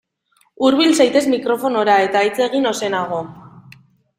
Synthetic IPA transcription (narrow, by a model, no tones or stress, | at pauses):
uɾβ̞ilsajt̪e̞zmikɾo̞fo̞no̞ɾae̞t̪aːjt͡se̞ɣ̞ino̞se̞naɣ̞o̞